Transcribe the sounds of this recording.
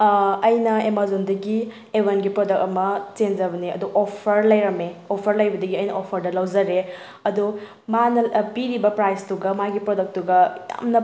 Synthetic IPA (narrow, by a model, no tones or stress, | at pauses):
ɐjnɐemazondɐɡi | ewenɡipɾodɐk̚ɐmɐt͡ʃenzɐbɐniɐ̰duʔopʰɐɾlɐjɾɐmeopʰɐɾlɐjbɐdɐɡiɐjnɐopʰɐɾdɐlɐwzɐɾe | ɐdu | manɐpiɾibɐpɾajstuɡɐmaɡipɾodɐk̚tuɡɐja̰mnɐ